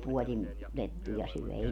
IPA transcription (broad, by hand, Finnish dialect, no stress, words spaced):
puolin letːujɑ syœˑ ei